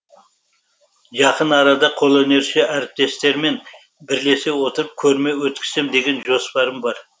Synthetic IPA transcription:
ʒɑqənɑɾɑd̪ɑqʰo̞lˠene̞ɾʃe̞ʔæɾɪp̚t̪e̞st̪e̞ɾme̞n | bɪɾle̞se̞wo̞t̪əɾəp̚kʲʰɵɾme̞wɵt̪̚kʲʰɪ̥semd̪e̞ɡʲe̞nʒo̞spɑɾəmbɑɾ

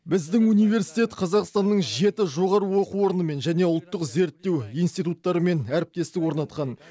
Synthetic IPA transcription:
bɪzd̪ɪŋunijve̞ɾsijt̪e̞t̪qʰɑzɑqst̪ɑnːəɴʒe̞t̪ɪʒo̞ʁɑɾəwo̞quo̞ɾənəme̞nʒæne̞ʊlˠt̪ːəqze̞ɾt̪ːe̞wijnst̪ijt̪ut̪ːɑɾəme̞næɾɪp̚t̪e̞st̪ɪkwo̞ɾnɑt̪qɑn

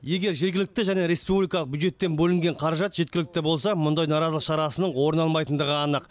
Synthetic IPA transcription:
je̞ɡʲe̞ɾʒeɾɡʲɪlɪk̚t̪ɪʒæne̞ɾe̞spublijkɑəq̚bjud̪ʒe̞t̪ːe̞nbɵlɪŋɡʲe̞ɴqʰɑɾɑʒɑt̪ʒe̞t̪̚kʲɪlɪk̚t̪ɪbo̞lˠsɑmʊnd̪ɑjnɑɾɑzlˠəqʃɑɾɑsənəɴwo̞ɾənɑlˠmɑjt̪ənd̪əʁəɑnəq

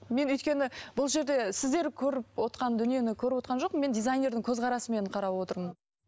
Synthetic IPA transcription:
me̞nʏjt̪kʲe̞nɪbʊlˠʒe̞ɾd̪e̞sɪzd̪e̞ɾkʲʰɵɾɪp̚wo̞t̪qɑnd̪ʏnije̞nɪkʲʰɵɾɪpwo̞t̪̚qɑnʒo̞q̚me̞nd̪ʲijzajnʲe̞ɾd̪ɪŋkʲʰɵzʁɑɾɑsəme̞nqʰɑɾɑpwo̞t̪əɾmən

